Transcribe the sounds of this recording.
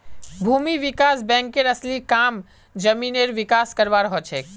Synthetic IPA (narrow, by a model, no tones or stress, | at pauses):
bʱuːmiʋikaːsbɛ̃ːŋkːeɾəslikam | d͡ʒəmineɾʋɪkaskəɾʋaɾɦɔt͡ʃʰek